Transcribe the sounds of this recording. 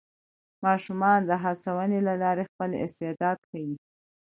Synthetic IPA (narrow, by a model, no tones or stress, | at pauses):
mɑʃumɑnd̪əɦasawənelalɑɾexpəlɪ̰st̪ed̪ɑd̪xawi